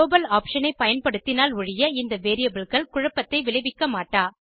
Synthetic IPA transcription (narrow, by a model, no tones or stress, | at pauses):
oːbɐlaːpʂɐnɐɪpɐjɐnpɐɽɯt̪ːɪnaːlʊɻɪjɐɪnd̪ɐʋeːɾɪjɐbɪɭɣɐɭkʊɻɐpːɐt̪ːɐɪʋɪlɐɪʋɪkːɐmaːʈːaː